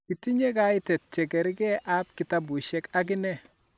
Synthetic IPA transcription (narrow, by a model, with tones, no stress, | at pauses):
ki˨ti˦ɲe˦ka˦ɪ˦tɛ˨t̚t͡ʃɛ˨ɡɛ˨ɾi˦kɛ˦ʔap̚kɪ˨ta˦bu˨ʃɛ˦ka˦k̬ɪ˦nɛ˦˨